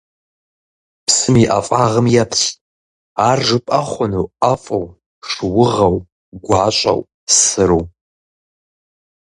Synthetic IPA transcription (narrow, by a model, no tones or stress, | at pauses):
psɨmiʔa̰fʼaʁəmjatʰɕ | aːrʐɨpʼɐχʷʊnowafʼɐw | ʂɨwʊʁɐw | ɡʷʕaɕʷʼɐ̰w | sɨɾuw